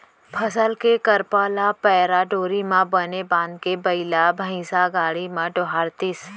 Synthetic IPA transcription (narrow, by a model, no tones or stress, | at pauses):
pʰəsəlkekəɾpaːlapɛːɾaɖoːɾimãbənebãːnd̪̚kebəilabʱə̃ĩsaɡaːɭimãɖoɦaːɽt̪is